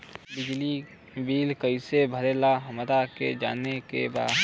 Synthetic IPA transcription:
bɪd͡ʒli | biːlkəisebʱəɾelaɦəmd̪akḛd͡ʒa̰ːnekḛba̰ːd̪

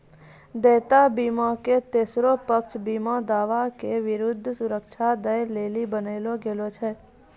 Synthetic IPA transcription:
d̪ɛːt̪abiːmɔket̪eːsɾopəkt͡ʃʰbiːmɔd̪aːʋakeʋɪɾʊd̪ʱːsʊɾəkʃʰad̪əjleːlibəneːloɡelot͡ʃʰɛ

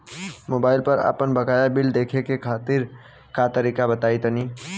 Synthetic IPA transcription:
moːbaːɪlpɐɾa̰pənbɐkaːjabɪld̪eːkʰekekʰaːt̪ɪɾ | kat̪əɾiːkabɐt̪aːit̪ɐniː

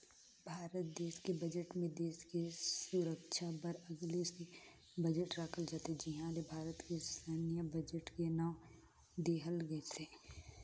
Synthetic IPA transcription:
bʱaːɾət̪̚d̪eːskebɐd͡ʒəʈmẽd̪eːskesʊɾəkʃʰabɐɾɐɡlese | bɐd͡ʒəʈɾaːkʰəld͡ʒaːt̪ed͡ʒɪɦãlebʱaːɾət̪kesanijəbɐd͡ʒəʈkenã | d̪eːɦəlɡəet̪ʰeː

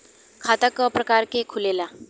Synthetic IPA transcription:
kʰat̪əkəpɾəkaɾkekʰulela

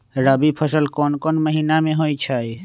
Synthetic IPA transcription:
ɾabipʰəsəlkoːnkoːnməɦiːnamẽɦoːit͡ʃʰai

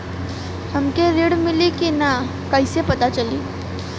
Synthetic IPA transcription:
həmkeɾeɽmilikina | kajsepət̪at͡ʃəliː

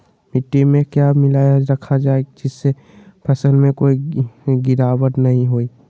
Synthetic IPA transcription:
mɪʈːimẽkjamɪlajəd͡ʒɾəkʰad͡ʒaːeɡd͡ʒɪsːe | pʰəsəlmẽkoːiɡɪɾaːwəɾnɐɦĩɦoːiː

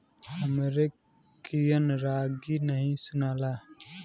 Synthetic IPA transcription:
ɐmeɾe | kijənɾaːɡinəɦĩsʊnaːlaː

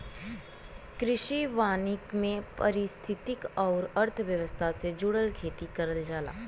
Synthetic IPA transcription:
kɾɪʃiʋaːnɪkmẽpɐɾɪst̪ʰɪt̪ɪkɔːɾɐɾt̪ʰʋjəʋəst̪ʰased͡ʒʊɽəlkʰeːt̪ikɐɾəld͡ʒaːla̰ː

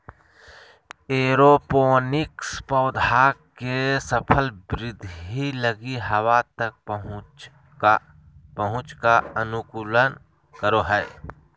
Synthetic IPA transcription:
eːɾopoːnɪkspɔːd̪ʱakesəpʰəlbɾɪd̪ʱɦiləɡiɦɐwat̪ək̚pəɦʊ | pəɦʊ̃t͡ʃkaənʊkuːlən | kəɾoɦɛː

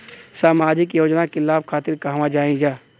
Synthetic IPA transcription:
saːmaːd͡ʒɪkjoːd͡ʒnakelaːbkʰaːt̪ɪɾkaɦʋãd͡ʒaːĩd͡ʒaː

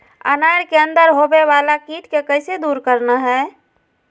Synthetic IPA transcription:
ə̰naːjɾkeə̃nd̪əɾɦobeʋaːlakiːʈkekəɪsed̪uːɾkəɾnaɦɛː

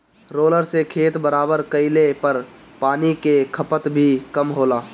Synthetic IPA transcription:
ɾoːləɾsekʰeːt̪bəɾaːbəɾkəɪlepəɾ | paːnikekʰəpət̪bʱikəmɦoːlaː

